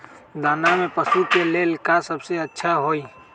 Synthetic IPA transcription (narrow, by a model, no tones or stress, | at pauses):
d̪aːnamẽpəsukelelkasɐbseɐtːʃʰaɦoːiː